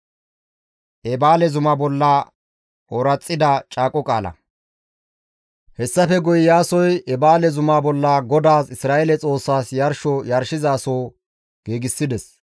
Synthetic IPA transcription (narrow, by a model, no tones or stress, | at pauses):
ʔɛbaːlɛzʊmɐbɔlːɐ | ɔɾɐt͡sʼːɪd̪ɐt͡ʃʼaːkʼɔkʼa̰ːlɐ̰ | hɛsːɐfɛɡʊjɪjaːsɔjɛbaːlɛzʊmabɔlːɐɡɔd̪aːsɪsɾaːʔelɛt͡sʼo̞ːsːaːsjɐɾʃɔjɐɾʃɪzaːsoː | ɡ̥eːɡɪsːɪd̪ɛs